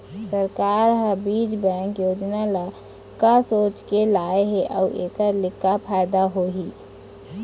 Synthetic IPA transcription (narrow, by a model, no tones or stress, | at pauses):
səɾkaːɾɦəbiːd͡ʒbɛ̃ːŋkjoːd͡ʒnala | kasoːt͡ʃkelaːeɦeʔɔ̰ːʔeːkəɾlɪkːapʰaːɪd̪aɦoɦiː